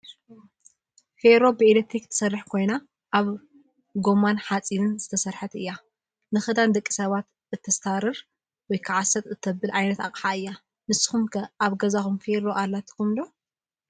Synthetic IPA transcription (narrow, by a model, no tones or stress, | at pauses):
feɾo̞bɨʔelet̪ɾikɨt̪ʰːɐ̥sɐrːɨħkʰo̞jna | ʔaβ | ɡo̞manħat͡sʼinɨnzɨt̪ʰɐsɐɾħat̪ɨjːa | nɨxɨd̪and̪ɐkʼːi̥sɐβat̪ | ɨt̪ʰːɐst̪ʰaɾɨɾ | wɔjkʰɨʕasɐt̪ʼɨt̪ʰːɐbɨlʕajnɐt̪aχʼħaɨjːa | nɨsɨ̥xumkʰɐaβɡɐzaxumfeɾo̞ʔalːat̪ʰi̥kumlo